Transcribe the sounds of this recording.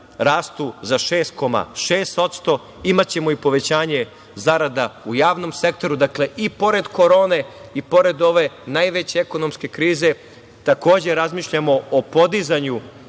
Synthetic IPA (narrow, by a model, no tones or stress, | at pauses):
ɾaːst̪uzaʃe̞ːst̪̚ko̞ma̰ʃe̞ːst̪o̞t̪st̪o̞ | imat͡ɕe̞mo̞ipo̞ʋe̞t͡ɕaːɲe̞ | zaɾad̪aujaːʋno̞mse̞k̚t̪o̞ɾud̪akle̞ʔipo̞ɾe̞d̪ko̞ɾo̞ːne̞ipo̞ɾe̞d̪o̞ʋe̞najʋet͡ɕeeko̞no̞mske̞kɾiːze̞ | t̪ako̞ːd͡ʑe̞ɾazmiːʃʎamo̞opo̞d̪izaɲu